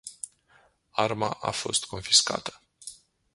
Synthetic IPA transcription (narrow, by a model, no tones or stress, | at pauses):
armaʔafo̞̰st̪ko̞nfi̥ska̰t̪ə̥